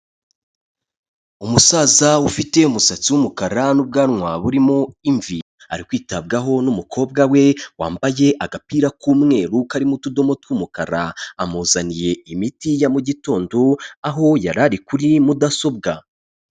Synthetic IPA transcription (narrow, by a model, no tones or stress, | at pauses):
umusaːzaufite̞umusat͡siwumukaɾanub̚ɡaːnŋwaβuɾimoiɱvi | a̰ɾikwiːtab̚ɡaɦo̞numukʰo̞ːb̚ɡawe̞wa̰ːmbaje̞ʔaɡapiːɾakuːmŋe̞ːɾukaɾimutudo̞mo̞twumukaɾa̰amuzanije̞imitijamuɟitoːndoaɦo̞jaɾaɾikuɾimudaso̞b̚ɡa